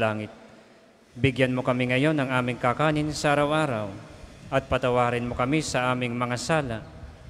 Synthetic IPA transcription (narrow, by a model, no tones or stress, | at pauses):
laːŋɪt̪̚ | bɪɡjanmokɐmɪŋɐjo̞nɐŋʔaːmɪŋkakaːnɪnsɐʔaɾɐwʔaːɾɐwʔɐt̪̚pɐt̪ɐwaːɾɪnmokɐmisɐʔaːmɪŋmɐŋasaːlaʔ